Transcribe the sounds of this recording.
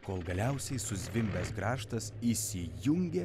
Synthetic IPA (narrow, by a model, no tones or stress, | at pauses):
koːlˠɡɐlʲɛʊsʲɛɪsʊzʲʋʲɪmʲbʲɛsɡɾɑːʃt̪ɐsisʲɪjʊŋʲɡʲɛ